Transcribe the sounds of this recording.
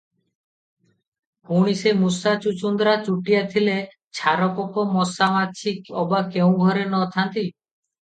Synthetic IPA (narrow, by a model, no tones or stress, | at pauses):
uɽ̃isemusat͡ʃut͡ʃund̪ɾat͡ʃuʈijat̪ʰile | t͡ʃʰaɾɔpɔkɔmɔsamat͡ʃʰikɔbakeũɡʱɔɾenɔt̪ʰant̪i